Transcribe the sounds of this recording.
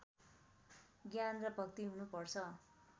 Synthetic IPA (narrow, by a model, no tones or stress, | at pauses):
ɡjanrʌpʌk̚t̪iɦunupʌrt͡sʰʌ